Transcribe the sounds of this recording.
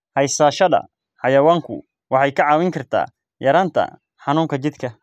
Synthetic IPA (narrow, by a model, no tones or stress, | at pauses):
hɑjsaːʃɐðɐ̰ | ħɑjɐwaːŋkʰʊ̰ | wɑħɑjkʰɐʕɑːwɪŋkʰɐrt̪ʰa̰ː | jɐɾaːnt̪ʰɐ̰ | ħɑnuːŋkʰɐt͡ʃɪd̪kʰɐ